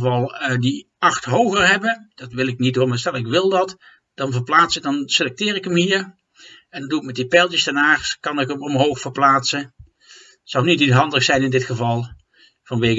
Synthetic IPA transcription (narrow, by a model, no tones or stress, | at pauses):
vɑlˠədi | ɑxtɦowɣəɹɦɛbəd̥ɑtʋɪlɪknit̚doːɹmaːɹstɛlˠɪkʋɪlˠdɑt | d̥ɑnvəɹplaːtsədɑnselɛk̚tɪːɹɪkəmɦiːɹ | ɛndɑnduɪk̚mɛt̚ipɛlˠtjəsdɛnaːxkɑnɪkəmɔmɦowxfəɹplaːtsə | sɑwnitisɦɑndəxsɛjnɪndɪtχəvɑlˠ | vɑnʋejk